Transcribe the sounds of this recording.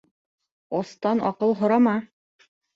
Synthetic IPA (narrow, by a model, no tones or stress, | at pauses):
ɒst̪ɑnɒqɤlˠɦŏɾɑmɑ